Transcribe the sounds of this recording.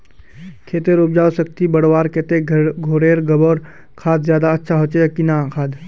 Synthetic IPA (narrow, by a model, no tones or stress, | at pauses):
kʰeːt̪eɾʊpd͡ʒaːosək̚t̪ibɐɽwaːɾkɛt̪eɡʱoːɾeːɾɡɐboːɾ | kʰaːd̪zjaːd̪aɐtːʃʰaɦoːt͡ʃeəkinakʰaːd̪